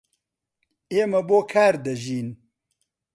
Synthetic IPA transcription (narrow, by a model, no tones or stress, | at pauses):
eːmɐboːkʰaːɾd̪ɐʒiːn